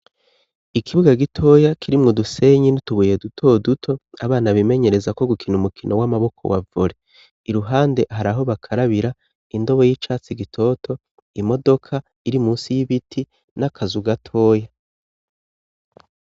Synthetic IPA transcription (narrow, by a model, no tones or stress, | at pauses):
ikʰiβuɡaɡitʰo̞jakiɾimŋoduse̞ɲinituβuje̞dutʰo̞dutʰo̞a̰βaːnaβime̞ɲe̞ɾe̞zako̞ɡukʰinumukinʔo̞wamaβo̞kʰo̞̰wa̰vuɾe̞ | iɾuɦaːnde̞ɦaɾaɦo̞βakʰaɾaβiɾa | indo̞βo̞jit͡ʃaːt͡siɡitʰo̞ːtʰo̞ | imo̞do̞kʰa | iɾimuːnsijiβitʰi | nakʰazuɡatʰo̞ːja